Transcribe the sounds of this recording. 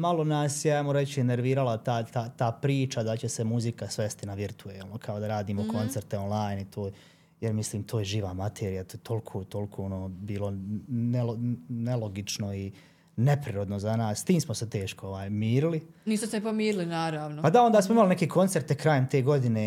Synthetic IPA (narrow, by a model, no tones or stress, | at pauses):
malo̞naːsjeajmoɾe̞t͡ɕieneɾʋiːɾalat̪aːt̪aːt̪aːpɾiːt͡ʃad̪at͡ɕe̞semuzikasʋe̞st̪inaʋiɾt̪ʰueːlˠno̞kʰao̞d̪aɾaːd̪iːmokʰo̞nt̪se̞ɾt̪eonlˠaːjnit̪ʰoː | jeɾmisliːmt̪ʰoːjeʒiːʋamat̪ʰeːɾijat̪ot̪ʰo̞lkʰoːt̪o̞lkʰoːonoːbiːlˠo̞nelonelo̞ɡit͡ʃno̞i | ne̞pɾiɾo̞d̪no̞zanaːsst̪iːmsmoset̪e̞ːʃkooʋaːjmiːɾili | niːsmosenepomiːɾilinaːɾaːʋnopad̪ao̞nd̪aːsmoimaline̞keːkʰo̞nt̪se̞ɾt̪ekɾaːjemt̪e̞ːɡo̞d̪ineː